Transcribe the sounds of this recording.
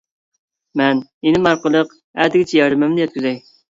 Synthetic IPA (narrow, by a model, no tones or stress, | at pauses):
mɛnenɪmɑɾqəlˠəq | æd̪ɪɡʲɛt͡ʃʰɛjɑɾɨmɛmnɪjɛt̪̚kʲyzɛj